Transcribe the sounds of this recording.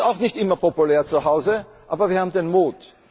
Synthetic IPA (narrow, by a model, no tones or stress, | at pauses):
aʊxnɪçtʔɪmɐpopʊlɛːɐt͡suhaʊzə | ʔa̰ːbɐviːɐhaːbm̩d̪enmuːt